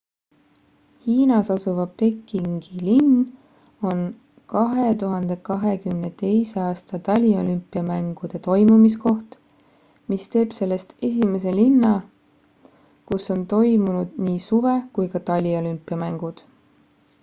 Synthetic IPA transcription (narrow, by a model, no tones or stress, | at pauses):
hiːnɑsɑsuvɑpe̞kːˑiŋɡ̥ilinː | o̞n | kɑɦe̞t̪uɦɑnd̪̥e̞kɑɦe̞kymne̞t̪e̞jse̞ɑːst̪ɑt̪ɑlʲio̞̰lympːˑiɑmæŋɡ̥ud̪̥e̞t̪o̞jmumisko̞ht̪ | mist̪e̞ːb̥se̞lːe̞st̪e̞s̬ʲime̞s̬e̞linːɑ | kusːo̞nt̪o̞jmunud̪̥niːsuve̞kujkɑt̪ɑlʲio̞lympːˑiɑmæŋɡ̥ud̪̥